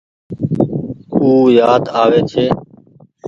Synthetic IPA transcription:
kuːjaːd̪aːʋeːt͡ʃʰeː

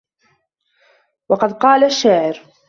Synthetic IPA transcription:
wɑqɑd̪qɑːlaʃːaːʕɪɾ

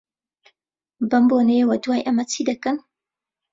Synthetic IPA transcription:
bɐmbonejəwɐd̪uwaːjʔɐmɐt͡sʰid̪ɐkən

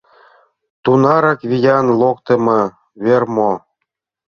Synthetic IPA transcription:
t̪unɑɾɑkβʲijɑnlˠokt̪ɤ̆mɤ̆ | βʲermo

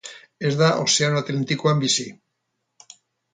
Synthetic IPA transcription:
ezðaʔo̰seanoat̪lent̪ikwambisi

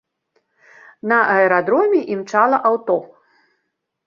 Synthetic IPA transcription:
nɐʔɐɛɾad̪ɾɔmʲiʔimt͡ʂalˠɐʔawt̪ɔ

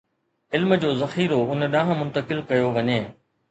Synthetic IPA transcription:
ɪlmə̆d͡ʑoːzɐxiːɾoʊnɗãːɦə̃mʊ̃nt̪əkɪlkɐjoʋɐɲeː

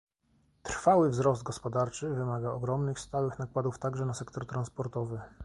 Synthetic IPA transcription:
t̪ɾfawɘvzɾɔzd̪̚ɡɔspɔd̪aɾt͡ʂɘvɘmaɡaɔɡɾɔmnɘxst̪awɘxnakwad̪uft̪aɡʐɛnasɛkt̪ɔɾt̪ɾanspɔɾt̪ɔvɘ

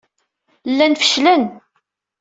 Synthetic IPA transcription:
lːænfə̥ʃlæn

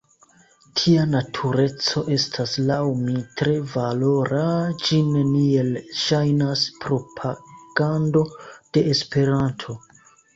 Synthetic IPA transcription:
tʰianatʰuɾe̞t͡so̞ʔe̞stʰaslawmitɾe̞valo̞ɾad͡ʒine̞nie̞lʃajnaspɾo̞pʰaɡ̥ando̞d̥e̞ːspe̞ɾantʰo̞

